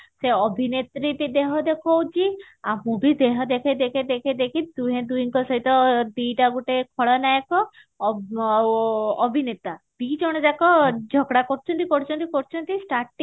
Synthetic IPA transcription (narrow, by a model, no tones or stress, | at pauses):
seɔbʱinet̪ɾit̪id̪eɦɔd̪ekʰɔwt͡ʃʰi | amũbid̪eɦɔd̪ekʰed̪ekʰed̪ekʰed̪ekʰid̪uɦẽd̪uiŋkɔsɔɦit̪ɔd̪ujʈaɡuʈekʰɔɭɔnajkɔ | ɔbʱinet̪a | b̥id͡ʒɔɽ̃ɔd͡ʒakɔd͡ʒʱɔɡɽakɔɾt͡ʃʰɔnt̪ikɔɾt͡ʃʰɔnt̪ikɔɾt͡ʃʰɔnt̪isʈaɾʈiŋ